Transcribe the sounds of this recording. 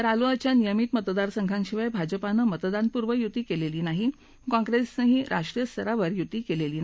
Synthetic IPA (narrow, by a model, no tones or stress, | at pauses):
əɾaluat͡ɕjanijəmiːt̪mət̪d̪aɾsəŋɡʱãŋkɕiʋajbʱad͡ʑəpanəmət̪d̪anpuɾʋəjut̪iːkeleliːnaɦi | kɔ̃ŋɡɾesəɦiːɾʔaʂʈɾijəst̪ʰəɾaʋəɾjut̪ːiːkeleliːn